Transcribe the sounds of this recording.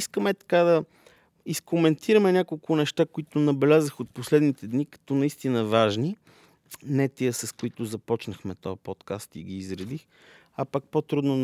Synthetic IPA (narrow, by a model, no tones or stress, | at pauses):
skəmɛt̪ɐ̥kad̪ɐ | iskomɛnt̪ʰiɾəmɛnʲakolˠkʊnɛʃt̪akoit̪ʊnɐbɛlʲazəxot̪̚poslɛd̪nit̪ɛd̪nikɐ̥t̪ɔnɐist̪inəvaʒni | nɛt̪iəsɐskoit̪ʊzɐpɔt͡ʃnəxmɛt̪ɔjəpɔt̪kast̪ḭɡʲiːzɾɐd̪ix | ɐpak̚pot̪ɾud̪non